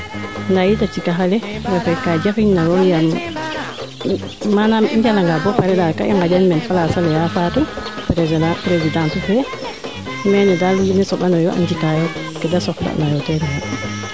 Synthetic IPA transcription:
ndajitat͡ʃikaɦalɛɡafɛkad͡ʒafiɲnajɔjam | manamɛɲd͡ʒalaŋɡabɔpaɾɛɗaka̰ʔaŋɡad͡ʒanmɛnfalasalɛjafatupɾpɾezidantuhɛ | mɛnɛdalinɛsɔɓanɔjɔʔa̰nd͡ʒikaja | kɛdasɔfla̰najɔtɛɾɛna

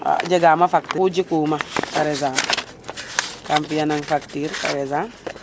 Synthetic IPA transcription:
a̰d͡ʒeɡaːmafaktiud͡ʒikumakaɾɛzan | kampijanaŋfaktiɾka̰ɾɛzan

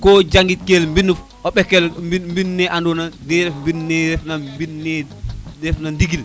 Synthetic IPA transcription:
kɔd͡ʒaŋɡit̚kelmbinːuf | ɔɓɛkːɛlimbinːɛʔandɔnadɛɾɛfmbinnɛɾɛfnabinːɛ | dɛfnandiɡil

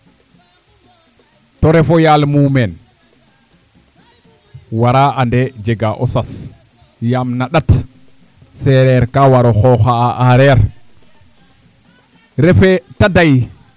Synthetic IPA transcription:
tɔɾɛfɔjalmumɛn | waɾaandɛd͡ʒɛɡaʔɔ̰sas | jamnaɗat | sɛɾɛɾkawaɾɔxɔxaaʔaɾɛɾ | ɾɛfɛtadaj

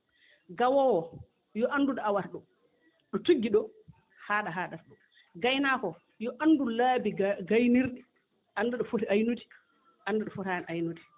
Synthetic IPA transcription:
ɡawɔwɔ | jɔʔanduɗɔawaɾɗɔ | ɗɔtuɡːiɗɔ | haːɗaɦaːɗaɾɗɔ | ɡajnaːkɔ | jɔʔandulaːbiɡajniɾɗi | ʔanduɗɔfoɾiajnuti̥ | ʔanːduɗɔfɔɾajanʔajnuti̥

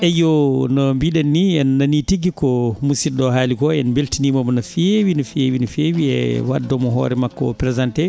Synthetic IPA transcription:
ʔɛjɔnɔmbiɗɛnːiɛnːanitiɡikɔmusiɗɔɦaːlikɔɛnbeltinimamɔnɔfiewinɔfiewinɔfewiɛ̰wadːɔmɔɦɔ̰ːɾɛmakːɔ̰pɾɛzantɛ

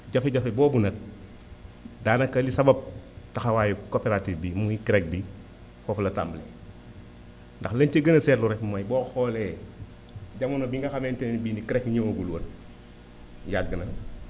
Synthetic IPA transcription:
ɟafeɟafebɔːbunɐk̚ | daːnɐkːɐlisɐbɐb̚tɐxɐwaːjukopeɾatifbimuikiɾɛk̚bi | xɔflɐta̰ːmblḛː | ndɐxlɐɲt͡ʃeɡɐnɐsɛːtluɾɛkmɐjbɔːxɔlɛː | ɟɐmunɐbiŋɡɐxɐmentennbiːnikiɾɛkɲoŋoɡulwɐn | jaɡːənɐ

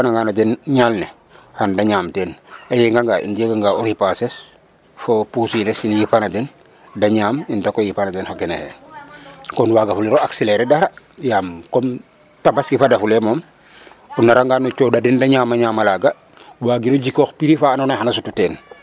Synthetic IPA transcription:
anaŋɡanadenɲalne | handaɲaːmtɛːnajeŋɡaŋɡaʔḭnd͡ʒeɡaŋɡauɾipases | fopusinesinjipanadin | daɲaːmintakojipanadɛnxakenḛhḛn | konwaɡafuliɾoakseleɾedaɾa | jaːmkon | tabasɡifadafulemoːm | unːaɾaŋɡaːnot͡ʃodadindaɲaːmaɲaːmalaːɡa | waːɡinoɟikoːxpiɾifaːnonahanasututɛːn

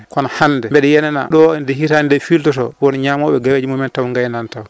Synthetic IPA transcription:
kɔnahanːdɛmbɛɗɛjɛnɛna̰ɗɔndɛhitanindɛfiltɔtɔ̰wɔnɲamɔɓɛɡaweːd͡ʒimomɛntawŋɡajnantaw

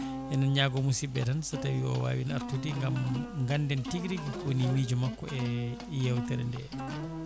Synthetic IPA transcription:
ʔɛnanɲaɡɔmusibɛtansatawiɔ̰wa̰ːwina̰ɾtudiŋɡamŋɡandɛntiɡɾiɡikonimiːd͡ʒumakːɔɛ | jɛwtɛɾɛndɛ̰

